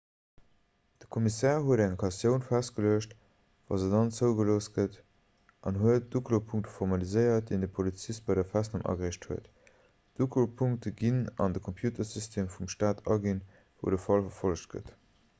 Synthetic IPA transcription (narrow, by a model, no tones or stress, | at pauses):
d̥əkʰomisɛːʁɦuəɾæŋkʰɑsjəʊnfæst̚ɡ̥əløəʃt | vɑ̰ːzədɑnt͡səʊɡəloːst̚ɡ̥ət | ʔɑnɦuət̚d̥uklopʰuŋktə̥foʁmɑlizəɪɐt̚d̥eɪndəpʰolit͡sist̚bɑɪdɐfæsnɑmʔɑ̰ɡʁiːʃtʰhuət | d̥uklopʰuŋk̚təɡinɑ̰ndəkʰompʰjuːtʰɐsystʰeːmfumʃtaːtɑɡin | voʊdəfɑlfɐfɔlʃt̚ɡ̥ə̰t